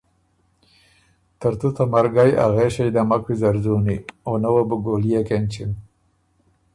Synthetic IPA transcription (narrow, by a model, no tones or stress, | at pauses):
t̪əɾt̪ut̪amaɾɡaja̰ɣeʃejd̪amakwizaɾzunionawəbəɡolijekent͡ʃin